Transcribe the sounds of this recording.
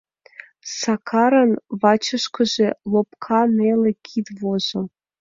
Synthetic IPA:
sɑkʰɑɾə̆nβɑt͡ɕə̆ʃkɤ̆ʒelˠopkʰɑnelĕkʲʰit̪vozɤ̆

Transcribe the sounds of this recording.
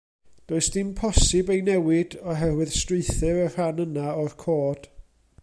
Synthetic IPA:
d̥oːɨsd̥ɪmpʰɔsɪbejnɛwɪdɔɦɛrwɨð̥strɪɨθɨɾər̥anənaɔrkʰoːd̥

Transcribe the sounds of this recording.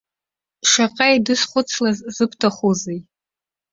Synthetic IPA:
ʂaqʼajdɨsχʷʊt͡sʰlazzɨpʰtʰaχozej

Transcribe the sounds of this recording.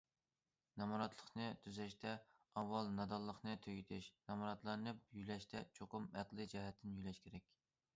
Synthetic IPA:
nɑmɑɾɑt̪lˠəχnɨt̪ʰyzɛʃt̪ʰɛ | ɑwːɑlˠnɑd̪ɑlˠːəχnɨt̪ʰøɡʲit̪ʰɪʃnɑmɑɾɑt̪lˠɑɾnɨpjylɛʃt̪ʰɛt͡ʃʰoqʊmæqlˠɨd͡ʒɛɦɛt̪ʰːɪnjylɛʃkʲʰeɾɛkʲ

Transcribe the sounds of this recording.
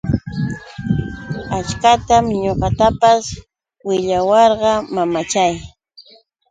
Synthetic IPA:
at͡ʃkat̪amɲoqɑt̪apas | wɪʎawɑɾɢɑmamat͡ʃaj

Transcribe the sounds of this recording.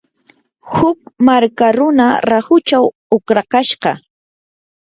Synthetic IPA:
hʊkmaɾkaɾʊnaɾahʊt͡ʃaw | ʊkɾakaʃɢɑ

